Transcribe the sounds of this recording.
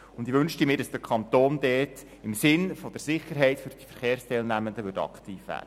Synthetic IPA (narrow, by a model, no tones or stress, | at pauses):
ʊnd̪ɪʋɵnʃtəmɪːɾdɑsd̥əɾkʰɑnt̪oːnd̪ɛːt | ɪmsɪnfɔd̥əɾsɪχːəɾɦɛɪtfʏɾd̥ifəɾχeːɾstɛlnæməndəʋʏtɑ̰ktiːfʋæ̰ːd̥ə